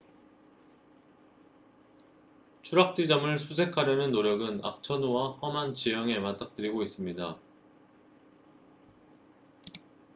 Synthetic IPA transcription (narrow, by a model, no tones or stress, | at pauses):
t͡ɕʰuɾak̚t͡ɕ͈id͡ʑʌmɯɭsʰus̬ʰe̞kʰaɾjʌnɯnːoɾjʌɡɯna̰k̚t͡ɕʰʌnowahʌmant͡ɕijʌŋe̞mat͈ʰak̚t͈ɯɾiɡois͈ɯmɲida